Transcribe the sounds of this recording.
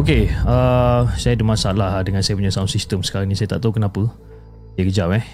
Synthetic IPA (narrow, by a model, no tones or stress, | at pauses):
okeəsajadəmãsaʔlahdəŋãnsajəp̬uɲasawnsist̪əmsə̥kaɾaŋnĩsajat̪aʔt̪aɦukənapə | jəkəd͡ʒawɛ